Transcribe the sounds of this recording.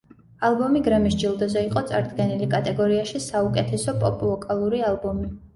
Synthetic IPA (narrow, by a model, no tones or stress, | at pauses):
alˠbɔmiɡɾɛmisd͡ʒilˠd̪ɔzɛiqʼɔt̪sʼa̰ɾd̪ɡɛnilikʼat̪ʼɛɡɔɾiaʃisaukʼɛt̪ʰɛsɔpʼɔpʼulˠɔkʼalˠuɾialˠbɔmi